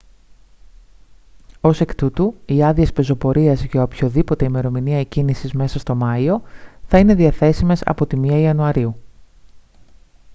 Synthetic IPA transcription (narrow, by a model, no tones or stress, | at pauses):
o̞se̞kt̪ut̪uiɐðiespe̞zo̞po̞ɾiɐzʝɐopço̞ðipo̞t̪e̞ime̞ɾo̞miniɐecinisizme̞sɐst̪o̞mɐio̞θɐine̞ðiɐθe̞sime̞sɐ̰po̞t̪imiɐiɐnuɐɾiu